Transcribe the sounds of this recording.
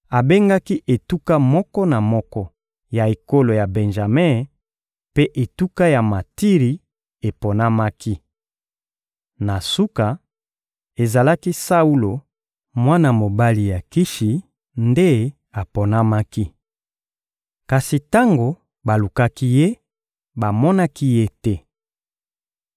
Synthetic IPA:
a˨be˦ŋɡa˦ki˦ʔe˨tu˦ka˦mɔ˦kɔ˦na˨mɔ˦kɔ˦ | ja˨e˨ko˦lo˨ja˨be˨nʒa˨mɛ˦ | pe˦ʔe˨tu˦ka˦ja˨ma˨ti˦ʁi˨ | e˨po˨na˦ma˦ki˦ | na˨su˦ka˨ | e˨za˨la˦ki˦sa˦u˦lo˨ | mwa˦na˨mo˨ba˦li˨ja˨ki˦ʃi˨ | nde˦ | a˨pɔ˨na˦ma˦ki˦ | ka˨si˨ta˦ŋɡo˨ | ba˨lu˨ka˦ki˦je˦ | ba˨mɔ˦na˦ki˦je˦tɛ˦

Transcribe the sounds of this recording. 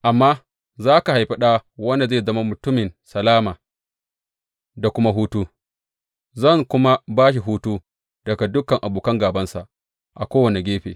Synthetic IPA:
ʔa˨mːaː˦ | zaː˦ka˨ha˨jɸɐ˦ɗaː˦wɐ˦nda˨zeː˦˨zɐ˦ma˦mʊ˨tʊ˦mɪ˨nsɐ˨laː˦maː˨ | da˨kʷʊ˦ma˦ɦuː˦tuː˦ | zɐ˦˨ŋkʷʊ˦ma˦baː˦ʃ̬i˨ɦuː˦tuː˦ | d̥ɐ˨ɡa˨dʊ˦kɐ˨ŋʔa˨buː˨kɐ˦ŋɡaː˨bɐ˦nsa̰˨ʔ | ʔa˨kʷoː˦wɐ˨ne˨ɡʲeː˦ɸḛː˨

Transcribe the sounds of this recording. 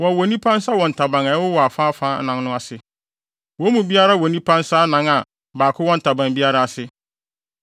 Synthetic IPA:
wɔ˨wɔ˨nĩ˦pʰã˦n˦sa˦wɔ̃˨n̩˨tʰa˨bã˨ŋa˨˦wʊ˦wɔ˨a˨fa˦fãː˦nã˨nnʊ̃˦a˨sɪ˨ | wɔ̃˦mũ˨bi˦a˦ɾa˦˨wɔ˨nĩ˦pʰã˦nsa˦nã˦ŋa˨ | baː˨kʰʊ˦wɔ̃˦n̩˨tʰa˨bã˨ŋbi˦a˦ɾa˦a˨sɪ˦

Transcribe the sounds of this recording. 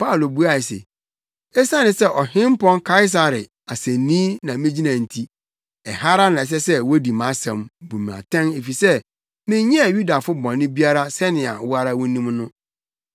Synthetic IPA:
pa˦˨lo˨bu˦a˨sḛ˨ | ɛ˦sã˦nɪ̃˨sɛ˦˨ʔɔ˨hɪ̃˦m˦pɔ̃˦nkʰa˦ɪ˦s̬a˨ɾɪ˨ | a˨sɛ̃˨nĩː˦nã˨mɪ̃˦d͡ʑi˦nã˨n̩˨tʰi˦ | ɛ˨ha˦ɾa˦nã˨ɛ˨s̬ɛ˦sɛ˦wo˦di˨mã˨˦sɛ̃˨mbu˨m̃˨a̰˨tʰɛ̃˦ne˨fi˨sɛ˦ | mɪ̃˦ɲɛ̃˦a˨ju˦da˨fʊ˦bɔ̃˨nːɪ̃˦bi˦a˦ɾa˦sɛ˦nɪ̃˨a̰˨wʊ˦a˦ɾa˦wɔ˦nĩ˦mnʊ̃˦

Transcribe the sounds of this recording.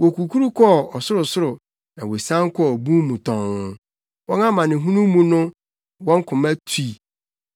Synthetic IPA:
wɔ˨kʰu˨kʰu˦ɾu˦kʰɔ˦˨ɔ˨sʊ˦ɾʊ˨sʊ˦ɾʊ˨ | nã˨we˨sã˦ŋ˦kʰɔ˦ɔ˨bũ˦mũ˨tʰɔ̃˨nʊ̃˦ | wɔ̃˦nã˦mã˨nɪ̃˨ɦũ˦nũ˦mːũ˦nʊ̃˦ | wɔ̃˦ŋ˦kʰʊ̃˨mæ˦tʰi˦˨

